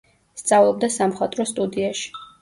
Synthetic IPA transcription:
st̪sʼavlˠɔb̚d̪asamχwat̪ʼɾɔst̪ʼud̪iaʃi̥

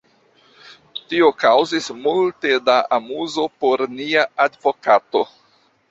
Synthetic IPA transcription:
tio̞kawzismulte̞daʔamuzo̞po̞ɾniaadvo̞kato̞

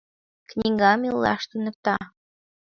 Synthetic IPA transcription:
knʲiɡɑmilˠːɑ̰ʃt̪unɤ̆k̚t̪ɑ

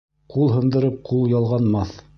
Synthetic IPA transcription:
qulˠɦɤ̆nd̪ɤ̆ɾɤp̚qʰulˠjɑlˠʁɑnmɑθ

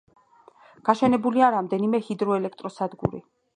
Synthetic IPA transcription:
ɡ̥aʃɛnɛbuliaɾamd̪ɛnimɛhid̪ɾɔɛlɛk̚ʰt̪ʼɾɔsad̪ɡṵɾḭ

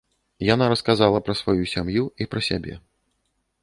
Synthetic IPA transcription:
janaɾɐskazalˠɐpɾɐsvajusʲamjuipɾɐsʲabʲɛ̰

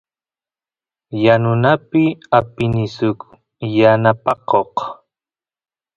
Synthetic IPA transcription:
janʊnapɪapɪnɪsʊk | janapɑqoq

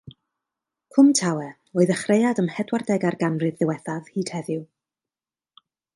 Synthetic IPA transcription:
kʰʊmtʰawɛ | oːɨðəχrejadəmhɛdwardɛɡarɡanrɨðɪwɛθað̥hiːd̥hɛðʊ

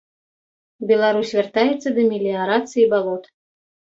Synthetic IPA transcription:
bʲɛlˠaɾusʲvʲart̪ajɛt̪sːɐd̪ɐmʲilʲiaɾat̪sɨjibalˠɔt̪

